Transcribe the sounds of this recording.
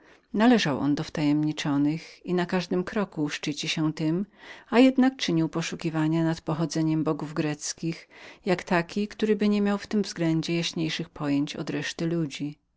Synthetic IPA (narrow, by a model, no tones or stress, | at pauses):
nalɛʐawʔɔ̰nd̪ɔft̪ajɛmɲit͡ʂɔnɘxinakaʐd̪ɘmkɾɔkuʂt͡ʂɘt͡ɕiɕɛt̪ɘmajɛd̪nak̚t͡ʂɘɲiwpɔʂukʲivaɲanat̪pɔxɔd̪zɛɲɛmbɔɡuvɡɾɛt̪skʲixjakt̪akʲikt̪uɾɘbɘɲɛmʲjawft̪ɘmvzɡlɛɲd͡ʑɛjaɕɲejʂɘxpʰɔjeɲt͡ɕɔ̰d̪ɾɛʂt̪ɘlud͡ʑi